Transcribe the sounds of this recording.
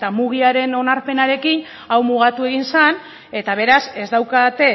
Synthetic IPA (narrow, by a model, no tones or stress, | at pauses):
t̪amuɣiaɾe̞no̞naɾpe̞naɾe̞kin | awmuɣ̞at̪ue̞ɣ̞insan | e̞t̪aβ̞e̞ɾase̞zd̪awkat̪e̞